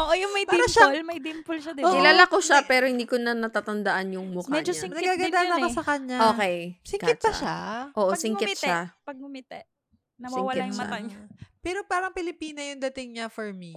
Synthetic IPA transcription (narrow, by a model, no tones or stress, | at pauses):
ʔoʔojʊŋmɐjd̪ɐʃalmɐj̪impʊlʃɐd̪ɪoɪlaːlɐkoʃapɛːɾo̞hɪnd̪iːkonɐnɐt̪aːt̪ɐnd̪ɐʔanjʊŋmʊkmɛd͡ʒosɪnɐɡɡaːɡɐd̪anɐkosɐkɐɲaoːkɛjsɪŋɪt̪̚pɐʃaʔoːʔosɪŋkɪtʃapɐɡ̚ʊmɪt̪ɛ | nɐsɪŋwaɪjma̰ɐpɛːɾopaːɾɐŋpɪlɪpiːnɐjʊŋd̪ɐt̪ɪŋɲafoɹmi